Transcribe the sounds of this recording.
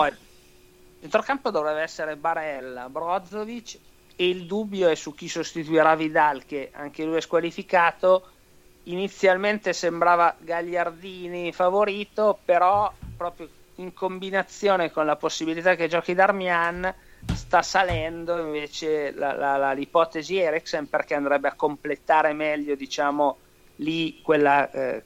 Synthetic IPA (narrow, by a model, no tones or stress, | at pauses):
pɔj | d̪ent̪ɾokampod̪ovɾɛvaɛsːeɾebaɾɛlːabɾɔd̪zːovit͡ʃ | eild̪ubːjoɛsuk̟ːisost̪it̪uiɾavid̪alk̟eʔa̰ŋk̟elujɛskwalifikaːt̪o | init̪sːjalment̪esembɾaːvaɡaʎːard̪iːnifavoɾiːt̪opeɾɔpɾɔːpɾjo | iŋkombinat̪sːjoːnekonlaposːibilit̪aked͡ʒɔːkid̪armjanst̪asalɛnd̪oiɱveːt͡ʃela̰lalalipɔːt̪eziɛɾiksemperk̟ɛand̪ɾɛbːeakːomplet̪aːɾemɛʎːod̪it͡ʃaːmo | likwelːa